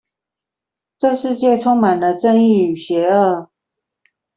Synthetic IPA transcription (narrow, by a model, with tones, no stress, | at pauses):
ʈ͡ʂɤ˥˧ʂɻ̩˥˧t͡ɕjɛ˥˨ʈ͡ʂʰʊ˥ŋma˨˩ndə˦ʈ͡ʂə˥˧ŋi˥˩y˨˩ɕɥɛ˨˧˥ə˥˩